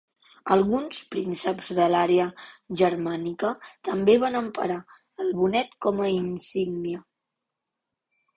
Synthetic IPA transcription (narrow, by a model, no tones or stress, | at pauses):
əlˠɣunspɾinsəbzðəlaɾeəʒəɾmanikət̪əmbeβanəmpə̰ɾa | əlˠβunɛt̪kɔməinsiɡniə